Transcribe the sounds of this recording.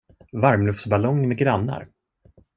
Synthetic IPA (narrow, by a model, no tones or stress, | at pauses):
vaɾmlɵftsbalɔŋmɛɡɾanːa̰ɾ